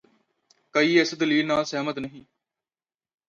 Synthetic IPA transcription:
kəiːɪsd̪əliːlnaːlsɛːmət̪nəɦĩː

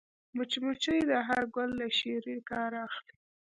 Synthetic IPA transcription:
mʊt͡ʃimut͡ʃəjd̪əɦaɾɡʊlːaʃeɾikɑɾaxli

